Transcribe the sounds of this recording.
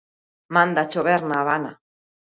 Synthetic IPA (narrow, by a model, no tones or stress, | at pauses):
mand̪at͡ʃoβeɾnaβana̰